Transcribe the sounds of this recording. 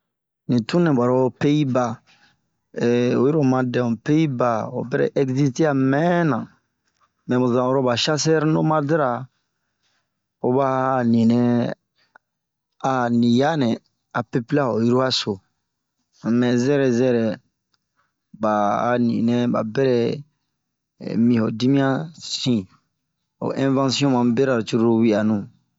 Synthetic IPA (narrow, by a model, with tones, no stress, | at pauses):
nĩ˨tũ˦nɛ̃˨ba˨ɾo˦pe˦i˦ba˨ | ɛ˨o˨ji˦ɾo˨mã˨dɛ̃˨pe˦i˦ba˨o̰˨bɛ˦ɾɛ̰˦ʔɛ˦kzi˦ste˦a˨mɛ̃˦nã˨ | mɛ̃˨bo˨zã˨o˦ɾo˦ba˨ʃa˦s̬ɛ˦ɾno˦mã˦di˦ɾa˨ | o˨ba˦˨nĩ˨nɛ̃˦ | a˨nĩ˨ja˦nɛ̃˨ | a˨pe˦pi˦la˦o˨ju˦ɾu˦a˦so˨ | mɛ̃˨zɛ˦ɾɛ˨zɛ˦ɾɛ˨ | ba˨a˨nḭ̃˨nɛ̃˦ba̰˨bɛ˦ɾɛ˨ | mĩ˨ho˨di˦mĩ˦ã˦sĩ˦˨ | o̰˨ʔɛ̃˦vã˦si˦ɔ̃˦mã˨be˦ɾa˨ɾt͡ʃu˦ɾu˦ɾu˦wi˦a˨nũ˨